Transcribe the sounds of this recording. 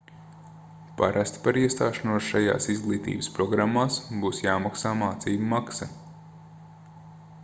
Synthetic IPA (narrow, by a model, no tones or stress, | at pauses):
paɾʔast̪paɾiɛst̪aːʃanuɔsʃaja̰ːsizɡlˠiːt̪ḭːbəspɾɔɡɾamːaːsbuːsjaːmaksaːmaːt̪siːbumaksɐ